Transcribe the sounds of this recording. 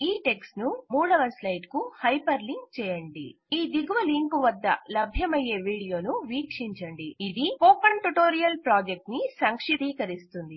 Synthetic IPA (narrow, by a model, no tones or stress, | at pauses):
iːʈe̞ksnumuːɽɐʋɐslɐjɖkuhɐjpɐɾliŋɡt͡ʃɛːjɐɳɖḭ | iːd̪iɡuʋɐliŋkuʋɐd̪ːɐ̰lɐbʱjɐmɐje̞ːʋiːɽijo̞ːnuʋiːkʂiɲt͡ʃɐɳɖiid̪ioːpɐɳʈuʈo̞ːɾijɐlpɾaːd͡ʒek̚ʈnisɐŋkʂid̪iːkɐɾist̪und̪i